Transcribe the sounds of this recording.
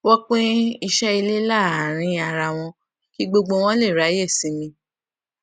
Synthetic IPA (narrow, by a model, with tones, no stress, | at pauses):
wɔ˦k͡pe˦i˧ʃɛ˦i˧le˦la˦˨a˨ɾ̃ĩ˧a˧ɾa˧w̃ɔ̃˧ | ki˦ɡ͡bo˧ɡ͡bo˧w̃ɔ̃˦le˦˨ɾa˨˦je˦˨sĩ˨˦mĩ˧